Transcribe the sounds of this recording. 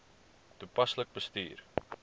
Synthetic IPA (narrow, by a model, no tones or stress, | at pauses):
tupɐslək̚bəsty̰ːr